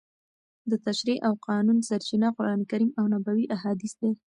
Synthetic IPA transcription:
d̪ət̪aʃɾiʔawqɑnunsaɾt͡ʃinaqʊɾɑnkaɾimawnabawiʔaɦɑd̪isd̪e

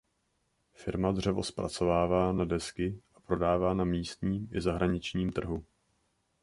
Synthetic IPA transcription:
fɪɾmad̪r̝ɛvo̞̰spɾa̰t͡so̞vaːvaːnadɛskɪʔapɾo̞daːvaːnamiːst̪ɲiːmʔɪ̰zaɦɾaɲɪt͡ʃɲiːmt̪r̩ɦu

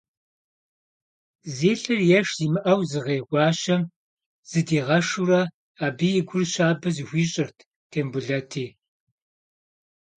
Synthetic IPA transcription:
zeːɬɨrjɛʂzimɨʔɐwzɨʁeːʁʷɑːʃɐm | z̥ɨdiːʁɐʂurɐ | aːbijɪɡʷʊrɕʷaːbɐzxʷiːɕʼɪrtʰ | tʰeːmbʊɮɐtʰiː

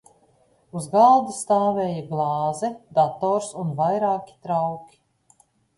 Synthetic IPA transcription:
uzɡaːd̪ust̪aːvɛːjaɡlˠɑːzɛd̪at̪ɔːɾsunvajɾaːkʲi̥t̪ɾawkʲi̥

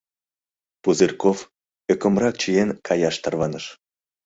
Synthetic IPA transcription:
puzirkof | økə̆mrɑkt͡ɕijenkʰɑjɑʃt̪ɑrβɑnəʃ

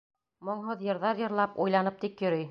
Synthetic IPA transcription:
mŏɴɦoðjɤ̆ɾðɑɾjɤ̆ɾlˠɑpujlˠɑnɤp̚t̪ikjɵ̆ɾɘj

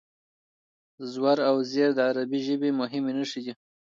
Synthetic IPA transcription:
zwaɾawzeɾd̪əaɾabiʒəbemʊɦɪmenəʂid̪i

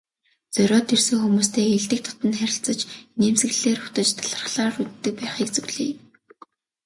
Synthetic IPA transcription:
t͡sœɾʲɔːt̪ʰːersɘ̆ŋxumuːst̪ʰeːxiɮt̪ɘ̆k̚t̪ʰɔ̥t̪ə̆nχæɾʲɪ̆ɬt͡sə̆t͡ɕneːmsɡɘ̆ɮeːrʊ̥t̪ə̆t͡ɕt̪ʰḁɮə̆χɮaːrut̪t̪ːɘ̆k̚pæːχiːk̚t͡sɵwɮiː

